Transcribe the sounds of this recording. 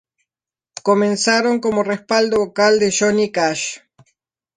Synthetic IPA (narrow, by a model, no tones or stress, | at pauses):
komẽnsaɾo̞ŋko̞morespald̪oβokald̪eʃonikaʃ